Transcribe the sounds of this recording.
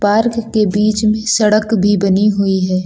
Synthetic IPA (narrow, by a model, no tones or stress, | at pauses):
paːɾkːebiːt͡ʃmẽsɐɽəkbʱibɐniɦʊiɦɛː